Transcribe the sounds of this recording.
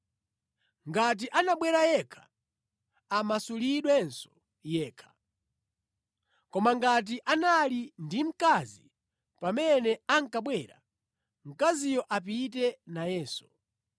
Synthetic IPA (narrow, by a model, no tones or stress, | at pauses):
ŋɡat̬iʔanaɓwɛɾajɛkʰḁ | amasuliɗwɛnsɔ̥ | jɛːkʰḁ | kɔmaŋɡat̬iʔanalindim̩kazi | pamɛnɛaŋkaɓwɛɾa̰ | m̩kazijɔʔap̬it̬ɛnajɛːsu̥